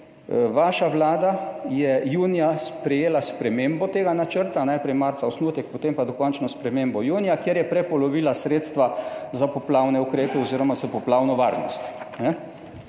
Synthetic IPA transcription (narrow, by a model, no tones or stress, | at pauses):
ʋaːʃaʋlaːd̪ajɛjuːnijaspɾɛjeːlaspɾɛmeːmbɔt̪eːɡanat͡ʃəɾt̪anajpɾɛjmaɾt̪saɔsnuːt̪ɛk̚pɔt̪empad̪ɔkɔnt͡ʃnɔspɾɛmembɔjuːnijakjeɾjɛpɾɛpɔlɔʋiːlasɾeːt̪st̪ʋazapɔplawnɛukɾeːpɛɔziːɾɔmazapɔplaːwnɔʋa̰ːɾnɔst̪nɛ